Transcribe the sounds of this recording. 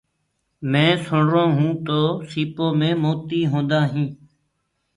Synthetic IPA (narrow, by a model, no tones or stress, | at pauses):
mɛ̃ːsʊɳɾõːɦũːt̪oːsiːpoːmẽːmoːt̪iːɦõːnd̪aːɦĩː